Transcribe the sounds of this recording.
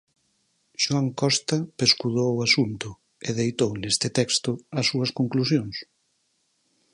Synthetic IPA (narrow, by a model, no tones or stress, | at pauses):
ʃuaŋkɔst̪ɐpeskuðowʊasunt̪ʊ | ɪðejt̪ownest̪ɪt̪ɛkst̪ʊɐsːuɐskoŋklusjoŋs